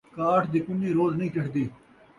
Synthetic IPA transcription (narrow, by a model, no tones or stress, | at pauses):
kaːʈʰd̪iːkʊnĩːɾoːznɐĩːkɐʈʰd̪iː